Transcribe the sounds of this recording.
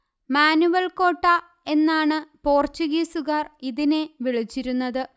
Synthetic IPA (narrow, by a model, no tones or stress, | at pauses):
maːnuʋɐlko̞ːʈːa | e̞nːaːɳɨpo̞ːrt͡ɕuɣiːsuɣɐriðineʋiɭit͡ɕːiɾunːɐðɨ